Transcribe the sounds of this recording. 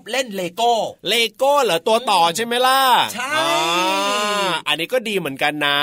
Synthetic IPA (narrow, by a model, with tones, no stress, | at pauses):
p̚le˥˩nleː˧koː˥˩leː˧koː˥˩lɯ˨˩˦t̪u˧ɐt̪ɔː˨˩t͡ɕʰa˥˩jma˦˥jla˥˩t͡ɕʰa˥˩ɔj | ʔa˧nːiː˦˥kɔː˥˩diː˧mɯ˩˦ənka˧nːa˦˥